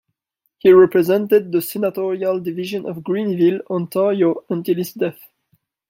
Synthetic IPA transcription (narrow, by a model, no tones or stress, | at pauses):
hiɹɛpɹɛzɛ̃ntɪd̪̚ðəsɛnatɔɹialˠdɪviʒə̃nʔɔ̰vɡɹĩnvilɔ̃ntʰɑɹjoə̃ntilˠizdɛθ